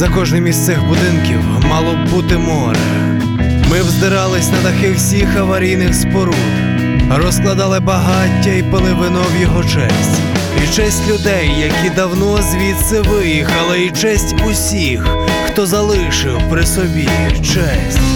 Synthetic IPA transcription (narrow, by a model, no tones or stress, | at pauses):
zɐkɔʒnɪmʲist̪sɪxbʊd̪ɪnkʲiw | mɑlˠɔbut̪ɪmɔɾḛ | mɪwzd̪ɪɾɑlˠɪsʲnɐd̪ɐxɪwsʲixɐʋɐɾʲijnɪxspɔɾud̪ | rɔsklˠɐd̪ɑlˠɪbɐɦɑtʲːɐipelˠɪʋɪnɔwjɔɦɔt͡ʃɛ̰sʲtʲ | it͡ʃɛsʲtʲlʲʊd̪ɛjːɐkʲid̪ɐwnɔzʲʋʲit̪sɪʋɪjixɐlˠɪit͡ʃɛsʲtʲʊsʲixxt̪ɔzɐlˠɪʃɪwpɾɪsɔbʲi | t͡ʃɛsʲ